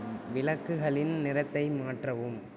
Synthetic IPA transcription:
ʋɪlɐkːɯɣɐɭɪnnɪɾɐt̪ːɐɪmaːʈrɐʋɯm

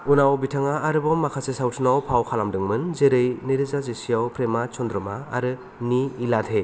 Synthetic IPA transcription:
unawbitʰaŋaːɾɯbɔmːakʰasesawtʰɯnawpʰawkʰalamdɯŋmɯnzeɾɯjneɾizazesijawpɾemat͡ʃɔndɾɔma̰ːɾɯ | niːlatʰe

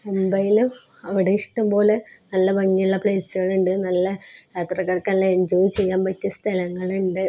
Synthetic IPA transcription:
embɐjilum | ɐʋiɽeiʂʈɐmbo̞ːlɨnɐlːɐbɐŋːiuɭːɐpɭeːsɨɣɐɭuɳɖɨnɐlːɐjaːt̪rɐkːɐɽɐkːaːnleend͡ʑoːit͡ɕːe̞jːaːnpɐtːɨst̪ʰɐlɐŋːɐɭuɳɖɨ

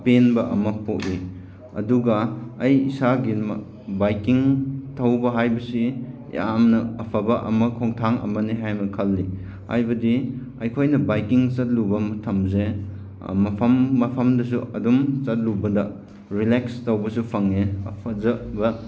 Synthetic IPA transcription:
penbɐʔɐmɐpʰotli | ɐ̰duɡɐːjisaɡim | bajkiŋtʰɐwbɐɦajbɐsi | ja̰mnɐːpʰɐbɐʔɐ̰mɐkʰoŋtʰaŋɐ̰mɐniɦajmɐkʰɐlːi | ha̰jbɐdi | ɐjkʰojnɐbajkiŋt͡ʃɐt̚lubɐmɐtʰɐmzḛ | mɐpʰɐmːɐpʰɐmdɐs̬uɐ̰dumt͡ʃɐt̚lubɐdɐ | ɾilekstɐwbɐsupʰɐŋeɐ̰pʰɐzɐbɐ

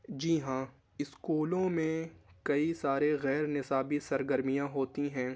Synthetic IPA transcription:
d͡ʒiːɦãː | ɪskuːlõmẽkɐisaːɾeɣɛːɾnɪsaːbisɐɾɡəɾmijãɦoːt̪iɦɛ̃ː

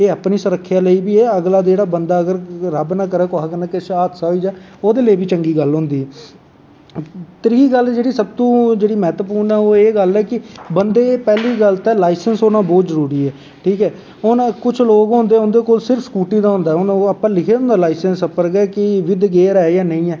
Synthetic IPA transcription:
eːəpniːsʊɾəkʰːjaːləiːbiːɛːəɡlaːdeːɽaːbənd̪aːəɡəɾɾəbnaːkəɾɛːkʊɦakəɾnaːkɪʃaːd̪saːɦoiːd͡ʒaː | oːd̪eːleːbiːt͡ʃəŋɡiːɡəlɦʊ̃ːnd̪iːɛː | t̪əɾɡiːɡəld͡ʒeːɽiːsəb̚t̪õːd͡ʒeːɽiːmɛːt̪əpuːɾnɛːoːeːɡəlɛːkɪbənd̪eːpɛːliːɡəlt̪ɛːlaːɪsənsɦoːnãːbɔːt̪zəɾuːɾiːɛː | ʈʰiːkɛː | ʊnkʊt͡ʃʰloːɡɦʊ̃ːnd̪eːɦʊ̃nd̪eːkoːlsɪɾəfʰskuːʈiːd̪aːɦʊ̃nd̪aːɦɛʊnəpːãːlɪkʰeːõːnd̪aːlaːɪsɛnsəpːəɾɡɛːkɪʋɪd̪ɡeːɾɛːjaːnəĩːɛː

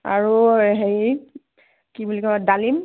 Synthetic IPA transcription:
a̰ɹuɦej | kibulikɔdalim

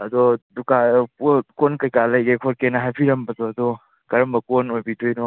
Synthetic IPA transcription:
ɐd̪ɔduka | konkɐjkalɐjɡekʰoɾkenaɦajpʰiɾɐmbɐtɔɐd̪ɔ | kɐɾɐmbɐkonojbidojnɔ

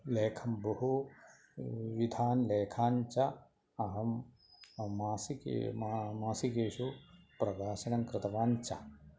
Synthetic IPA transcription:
leːkʰɐmbɐɦu | ʋid̪ʱaːnleːkʰaːnt͡ʃɐ | ɐɦɐmː | aːsikː | maːsikeːʃupɾɐɡaːsɐnɐŋkɾɪt̪ɐʋaːnt͡ʃɐ̰

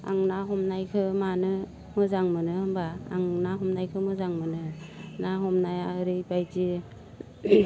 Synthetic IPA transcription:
a̰ŋnaɦɔmnajkʰɯmanɯ | mɯzaŋmɯnɯmbaːŋnaɦɔmnajkʰɯmɯzaŋmɯnɯnaɦɔmnajaɾɯjbajd͡ʒi

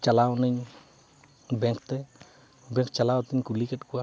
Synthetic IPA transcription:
t͡ʃalaɔnɪɲ | bɛŋkt̪ɛ | bɛŋk̚t͡ʃalaɔt̪ɪɲkulikɛtkwa

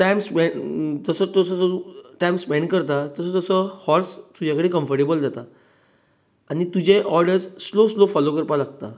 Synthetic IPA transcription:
ʈajmspɛd͡zəsət̪əsəd͡zəuʈajmspɛ̃ɳɖkəɾt̪at̪əsət̪əsəhɔɾst̪ud͡ʑjakəɽeːkə̃mfəɾʈebəld͡zat̪a | añit̪ud͡ʑeʔɔɾɖəɾd͡zsloslofɔlokəɾpalaɡ̚t̪a

